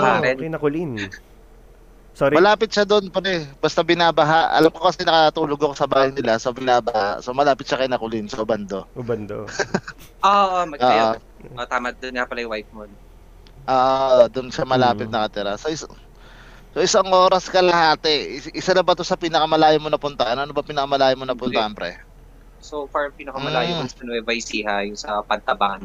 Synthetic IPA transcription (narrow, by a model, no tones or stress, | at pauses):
aɛnɐkʊlin | soɾmɐlaːpɪt̪̚ʃad̪o̞npɐɾɛbɐst̪abɪnaːbɐɦaʔɐ̰lamko̞kɐsɛnɐkɐkɐt̪uːloɡokosɐbaːhɐjnɪlasobɪnaːbaha̰so̞mɐlaːpɪt̪̚ʃakɐjnɐkʊlɪnsoʔbɐnd̪o̞ʊbɐnd̪o̰ | ʔoʔmɐoːʔo | ʔot̪aːmɐd̪ʊnapɐlajʊwajp̚mon | ʔoːʔd̪ʊnʃamɐlaːpɪt̪̚nɐkɐt̪ɪɾasoʔɪs | soʔɪsɐŋʔo̞ːɾɐskɐlɐhaːt̪ɛʔɪsalɐbɐt̪osɐpiːnɐkɐmɐlaːjomonɐpʊnt̪ɐʔanʔɐnobɐpiːnɐkɐmɐlaːjomo̞nɐpʊnt̪ɐʔanpɾɛ̰ | sofaɹpinɐkɐmɐlaːjnsɐnʔɛvɐjsiːɦajʊŋsɐpɐɡ̚t̪ɐban